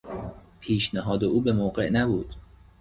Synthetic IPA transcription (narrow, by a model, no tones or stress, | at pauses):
pʰiːʃnæɦɒːd̪euːbemoːɢe̞̰ʔnæbuːd̪̥